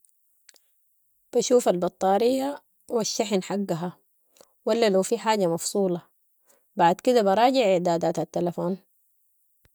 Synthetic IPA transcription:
b̥aʃuːfalbɑt̪ˤːɑːɾijːa | waʃːaħinħaɡːaɦa | walːalawfiħaːɟamɑfsˤuːlɑ | baʕd̪kid̪abɑɾˤɑːɟɪʕɪʕd̪aːd̪aːt̪hat̪ːalafoːn

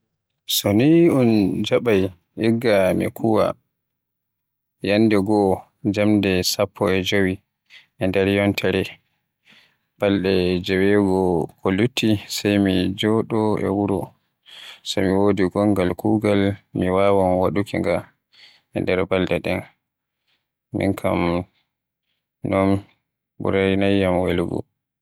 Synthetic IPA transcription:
sɔniund͡ʒaɓaj | ʔiɡːamḭkʰuwa̰ | janːdɛɡɔ | d͡ʒamdɛsapʰːɔɛd͡ʒowi | ɛndɛɾjɔntʰɛɾɛ | b̥aldɛd͡ʒɛwɛɡɔkʰolutʰːisajmid͡ʒɔɗɔɛ̰wuɾɔ̰ | sa̰miwodiɡɔŋɡalkuːɡalmiwawanwaɗukḭŋɡa | ɛ̰ndɛɾbaldɛɗɛ̰n | mḭŋkʰa̰m | nɔn | bṵɾanajːamwelɡɔ̰

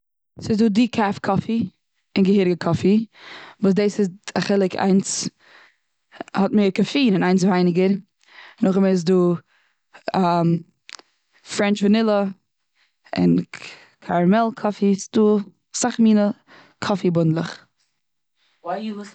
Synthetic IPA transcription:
sɪzduːdikʰafkʰɔfi | ɪnɡəhɪɾɡəkʰɔfivuːs̬deːsɪzaχɪlˠɪkʰa̰ɪns | hɔtmeːɾkɔfiːnɪnaɪnsvaɪnɪɡəɾ | nʊχəmes̬duː | am | fɾɛnt͡ʃvənɪlˠə | ɪ̰n | kʰaɾmɛlˠkʰɔfisduː | saχmiːnə | kʰɔfibʊndlˠəχ | a

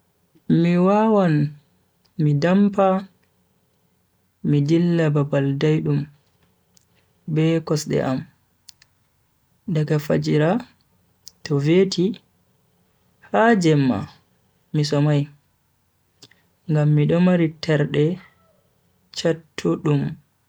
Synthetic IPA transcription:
miwawan | midampa | midilːababaldajɗum | bɛkɔsɗɛ̰ʔam | ɗaɡafa̰d͡ʒiɾa | tɔveːtʰi | had͡ʒɛmːa̰ | mis̬ɔmaj | ŋɡamːiɗɔmaɾitʰɛɾɗɛ | t͡ʃatʰːuɗum

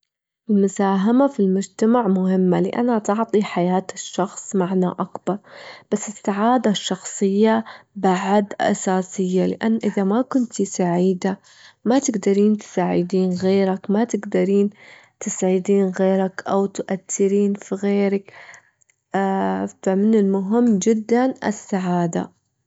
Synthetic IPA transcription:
ʔɪlmʊsaːɦamafilmʊd͡ʒt̪amaʕmʊhɪmːalɪʔa̰nat̪ɑʕt̪ˤiħajaːt̪ɪʃːɑxsˤmaʕnaʔakbɑɾˤb̥asːɪsːaʕaːd̪aʃːɑxsˤɨjːabaʕad̪ʔa̰saːsɪjːalɪ̰ʔanːʔɪðamakʊnt̪isaʕiːd̪a | mat̪ɪɡd̪ɑɾiːnt̪ɪ̥saːʕɪd̪iːnɣeːɾakmat̪ɪɡd̪ɑɾiːnt̪ɪsʕɪd̪iːnɣeːɾakʔawt̪ʔaθːɪɾiːnfiɣeːɾak | amɪnɪlmʊɦɪmːd͡ʒɪd̪ːanʔɪ̰sːaʕaːd̪a̰

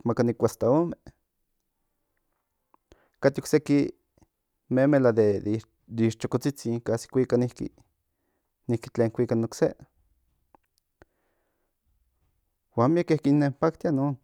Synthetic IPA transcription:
makanikʷast̪aome | kat̪iokseki | memelad̪e | d̪iʃt͡ʃokot͡sit͡siːŋkasi̥kʷikanihkḭ | nihki̥t͡ɬeːŋkʷikanokse | wanmiakehkinːempak̚t̪ianoːn

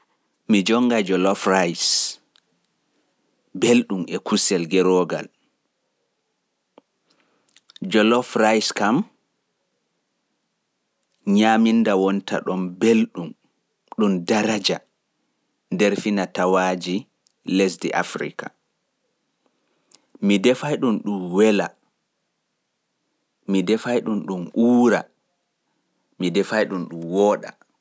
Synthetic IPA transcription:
mid͡ʒɔŋɡad͡ʒɔlɔfrajs | belɗumʔɛkusɛlɡɛɾɔɡa̰l | d͡ʒɔlɔfɾajskam | ɲamindawɔntʰa̰ɗɔmbelɗum | ɗumdaɾad͡ʒa | ndɛɾfinatawaːd͡ʒi | les̬dḭʔa̰fɾḭka | midɛfajɗunɗumwɛla | midɛfajɗunɗumʔuːɾa | midɛfajɗunɗumwɔːɗa̰

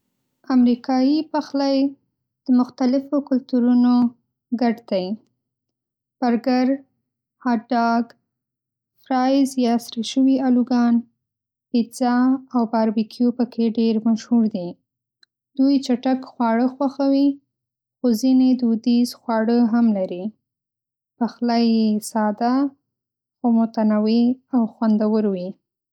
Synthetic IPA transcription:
amɾikɑjipaxlaj | d̪̥əmʊxt̪alɪfokʊlt̪uɾuno | ɡaɖt̪aj | b̥aɾɡaɾ | haɖɑɡ | fɾɑjzjɑsɾiʃəwialuɡɑn | pizɑawbɑɾbikʰjopəkʰeɖeɾmaʃhuɾd̪i | d̪̥ujt͡ʃaʈakxwɑɽəxwaxawi | xozined̪ud̪izxwɑɽəɦamlaɾi | paxlajesɑd̪a | xomʊt̪anaweawxwand̪awəɾwi

